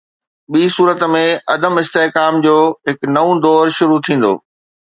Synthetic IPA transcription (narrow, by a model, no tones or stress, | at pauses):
ɓiːsuːɾət̪mẽɐd̪əmɪst̪eːɦkaːmd͡ʑoːɦɪknɐũd̪ɔːɾʃʊɾut̪ʰĩːn̆d̪o̰ː